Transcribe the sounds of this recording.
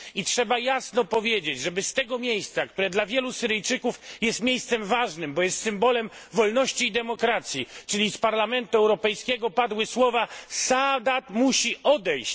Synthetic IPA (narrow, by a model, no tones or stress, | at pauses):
itʂɛbajasnɔpɔvʲjed͡ʑed͡ʑʐɛbɘst̪ɛɡɔmʲjejst̪sak̚t̪uɾɛd̪lavʲjɛlusɘɾɘjt͡ʂɘkufjɛst̪mʲejst̪sɛmvaʐnɘmbɔjɛst̪sɘmbɔlɛmvɔlnɔɕt͡ɕiːd̪ɛmɔkɾat̪sʲjit͡ʂɘlʲispaɾlamɛnt̪uɛwɾɔpɛjskʲɛɡɔpad̪wɘswɔvasad̪at̪muɕiʔɔd̪ɛjɕt͡ɕ